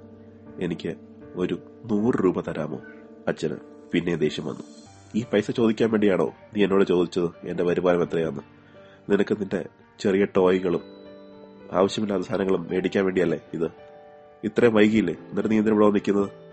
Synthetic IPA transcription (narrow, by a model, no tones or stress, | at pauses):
e̞nikʲːɨ | o̞ɾu | nuːrɨruːbɐt̪ɐɾaːmo̰ː | ɐt͡ɕːɐnɨ̰ | pinːe̞d̪e̞ːɕjɐmʋɐ̰nːṵ | iːpɐjsɐt͡ɕo̞ːd̪ikʲːaːnʋe̞ːɳɖijaːɳo̞̰ːniːenːoːɽet͡ɕo̞ːd̪it͡ɕːɐðɨe̞ndepɐɾibaːlɐme̞t̪ːrɐjʋɐnːɨ | ninɐkːɨninde̞̰ | t͡ɕe̞rijɐʈːo̞ːjiɣɐɭum | a̰ːʋɐɕjɐmilːaɐðɐst̪aːnɐŋːɐɭumeɽikʲːaːnʋe̞ːɳɖijɐlːe̞iðɨ | it̪ːrɐjmʋɐjɣɐjilːenːiʈeniːnd̪inʋiɽoːnːikʲːunːɐðɨ